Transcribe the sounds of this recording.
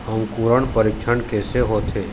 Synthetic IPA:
ɦəmkuːɾəɳ̃pəɾɪkʃʰənkeːseɦoːt̪ʰeː

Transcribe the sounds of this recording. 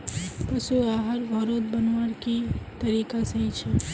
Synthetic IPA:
pɐʃuaːɦəɾbʱɔɾoːt̪̚bɐnʋaɽkit̪ɐɾiːkasɐɦit͡ʃʰe

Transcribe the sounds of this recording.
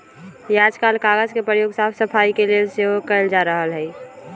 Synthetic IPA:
jaːd͡ʒkaːlkaːɡəzkepɾəjoːɡsaːpʰsəpʰaːikelieseɦokəld͡ʒaːɾəɦəlɦɛː

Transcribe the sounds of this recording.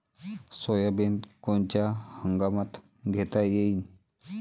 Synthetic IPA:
sɔjabend̪kont͡ɕjahəŋɡamat̪ | ɡʱet̪ajein

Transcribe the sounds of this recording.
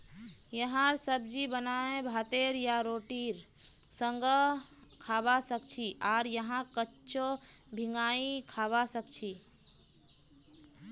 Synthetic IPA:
jəɦãɾsəb̚d͡ʒibənaẽbʱat̪eɾjaɾoʈiɾ | sə̃ŋɡə | kʰabasəkt͡ʃʰiʔaɾjəɦãkət͡ʃobʱiŋɡaĩkʰabasəkt͡ʃʰi

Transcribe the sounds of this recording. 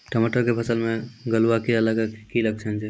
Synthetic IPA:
ʈəməʈəɾkepʰəsəlmeɡəluwakiələɡəkiləɡ̚t͡ʃʰənd͡ʒe

